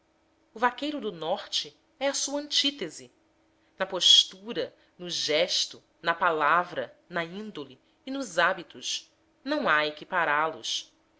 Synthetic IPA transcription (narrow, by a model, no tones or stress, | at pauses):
ʊvakejɾʊd̪ʊnɔχt͡ʃɪ | ɛɐsuɐɐ̃nt͡ʃit̪ezɪ | nɐpoʃt̪uɾɐ | nʊʒɛʃt̪ʊ | nɐpalavɾɐnɐĩnd̪oliː | nʊzabit̪ʊʃ | nɐ̃w̃aekipaɾalʊ̰ʃ